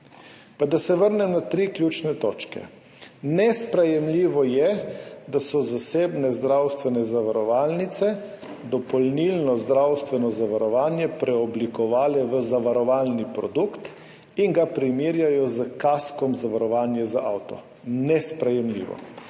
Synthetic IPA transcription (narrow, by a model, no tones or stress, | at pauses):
pad̪asɛʋəɾnɛmnat̪ɾiːklʲjut͡ʃnɛt̪oːt͡ʃkɛ̰ | nɛspɾɛjɛmliːʋɔjɛd̪asɔzaseːbnɛzd̪ɾawst̪ʋɛnɛzaʋaɾɔʋaːlnit̪sɛ | d̪ɔpɔlnilnɔzd̪ɾawst̪ʋɛnɔzaʋaɾɔʋaːnjɛpɾʔɛɔblikɔʋaːlɛʋəzaʋaɾɔʋaːlnipɾɔd̪ukt̪ | iŋɡapɾimiːɾjajɔzəkaskɔmzaʋaɾɔʋaːnjɛzaʔawt̪ɔ̰ | nɛspɾɛjɛmlḭːʋɔ̰